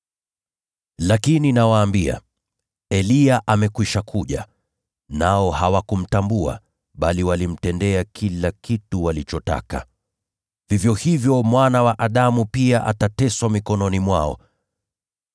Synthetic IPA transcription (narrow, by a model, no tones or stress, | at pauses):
lakininawaːmbia̰ | ɛliaʔamɛkwiʃakʰuʄa̰ | naɔhawakum̩tambua̰ | ɓaliwalim̩tɛndɛakʰilakituwalit͡ʃɔta̰ka̰ | vivjɔhivjɔmwanawaʔaɗamupiaʔa̰tatɛswamikɔnɔnimwaɔ̰